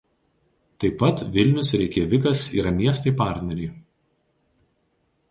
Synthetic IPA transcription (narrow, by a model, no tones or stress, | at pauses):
t̪ɐɪpːɐt̪ʋʲɪlʲnʲʊsɾʲɛɪkʲeːʋʲɪkɐsḭːɾɐmʲiɛst̪ɐɪpɑˑɾʲt̪ʲnʲɛɾʲiː